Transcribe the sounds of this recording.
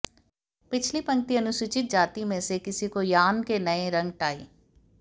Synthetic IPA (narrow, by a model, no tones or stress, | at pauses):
pɪt͡ʃʰlipɐ̃ŋk̚t̪iɐnʊsʊt͡ʃɪt̪̚d͡ʒaːt̪imẽsekɪsikojaːnkenəẽɾɐ̃ŋɡ̚ʈaːḛː